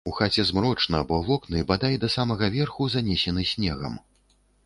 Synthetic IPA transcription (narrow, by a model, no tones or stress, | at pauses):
uxat͡sʲɛzmɾɔt͡ʂnɐbɔvɔknɨbad̪ajʲd̪ɐsamɐɣɐvʲɛrxuzanʲɛsʲɛnɨsʲnʲɛɣɐ̰m